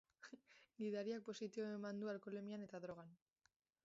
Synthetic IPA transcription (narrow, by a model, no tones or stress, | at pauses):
ɡiðaɾiak̚po̞sit̪iβoe̞mand̪ualkole̞miane̞t̪aðɾo̞ɣ̞an